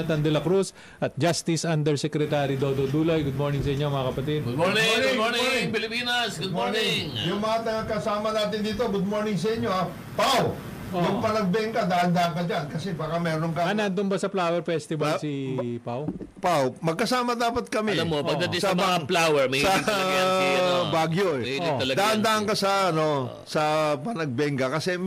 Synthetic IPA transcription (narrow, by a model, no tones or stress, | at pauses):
t̪ɐnd̪ɛlɐkɾus | ʔɐt̪̚d͡ʒast̪ɪsʔand̪ɛɹsɛkɾɛt̪aɾid̪od̪od̪uːlɐjɡʊd̪̚moːɹnɪŋsɐʔɪɲːomɐŋakɐpɐt̪id̪̚ɡd̪monɪŋnɪoɹnɪmɪŋpɪlɪpiːnɐsɡʊd̪moɹnɪŋŋjʊŋmɐŋat̪ɐɡakɐsaːmɐnaːt̪ɪnd̪iːt̪oɡʊd̪̚mo̞ɹnɪŋs̬ɐʔɪɲːo̞a | paw | jɐŋpɐnɐɡ̚bɛŋkɐd̪aʔɐnd̪ɐʔɐŋkɐd͡ʒankɐsɛbaːkɐmɛːɾoŋkɐanɐnd̪ʊŋbɐsɐplaːwɛɹfɛst̪ɪbalsipawpawmɐɡ̚kɐsaːmɐd̪aːpɐt̪̚kɐmɛlmopɐɡd̪ɐtɪsɐmɐŋaplawɛɹmɐsɐ | baɡjoʔɛɐhiɪt̪ɐlɐɡd̪aʔʔɐnd̪aʔɐŋkɐsɐɐno̞ | sɐpɐnɐɡ̚bɛŋɡɐkɐsɛ